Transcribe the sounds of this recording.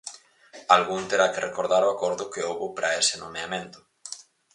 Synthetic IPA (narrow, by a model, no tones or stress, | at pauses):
alɣunt̪eɾakerʔekoɾðaɾoakɔɾðʊkeowβopɾʔaesenomeamẽnt̪ʊ̥